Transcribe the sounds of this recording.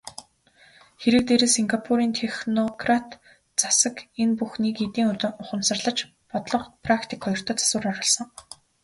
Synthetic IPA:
xeɾɘ̆k̚t̪eɾɘ̆siŋɡapʰuɾiːnt̪ʰexnɔkrat̪ | t͡sḁsə̆kenpuxniːket̪iːŋʊχə̆msə̆rɮə̆t͡ɕ | pɔt̪ɮɞ̆qpʰrakt̪ʰi̥kχɔjɞ̆r̥t̪ʰœːt͡sḁsʊːraɢə̆ɮsə̆ŋ

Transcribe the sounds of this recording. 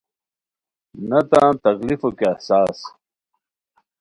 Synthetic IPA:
nɐt̪ãːt̪ɐɣlifokeɐhsaːs

